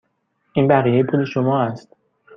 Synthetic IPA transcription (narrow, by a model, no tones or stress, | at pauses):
ʔiːnbæʁiːjejepʰule̞ʃomɒːæst̪